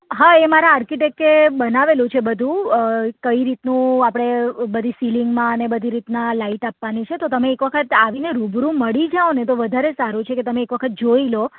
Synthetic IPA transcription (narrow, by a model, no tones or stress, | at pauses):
ɦaemaɾaaɾkiʈek̚ʈebənaʋelũt͡ʃʰebəd̪ʱũkəiɾit̪nũapɽ̃ebəd̪ʱisiliŋɡmãənebəd̪ʱiɾit̪nalaiʈapʋanit͡ʃʰet̪ot̪əmẽːkʋəkʰət̪aʋineɾubɾũməɭid͡ʒaonet̪oʋəd̪ʱaɾesaɾũt͡ʃʰeket̪əmeːkʋəkʰət̪̚d͡ʒoilo